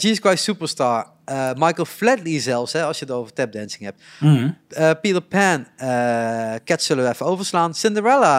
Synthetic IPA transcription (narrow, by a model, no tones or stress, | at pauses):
diɪskwajtsupəɹstaːɹ | əmɑjkəlˠflɛdlizɛlˠfsɦɛɑlˠsjətowvəɹtɛp̚dɛnsɪŋhɛp̚t | əpiləpʰɛnəkɛtsɵləʋəɛfəowvəɹslaːnsɪndəɹɛla